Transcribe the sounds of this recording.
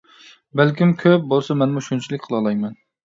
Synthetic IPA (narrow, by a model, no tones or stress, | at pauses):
bælkʲimkʲʰøp̚bolˠsɑmɛnmuʃunt͡ʃʰilɪkʲqʰəlˠɑlˠɑjmɛn